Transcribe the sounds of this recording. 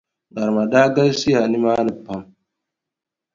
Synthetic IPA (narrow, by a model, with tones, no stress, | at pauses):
ɡa˨ɾma˨daː˦ɡɐ˦lsi˦ja˨ni˦maː˦ni˨pːa˦m